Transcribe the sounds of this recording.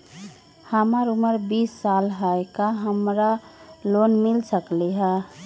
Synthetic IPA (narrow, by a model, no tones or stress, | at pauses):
həmaɾuməɾbisːalɦaekaɦəmɾalonmilsəkliɦə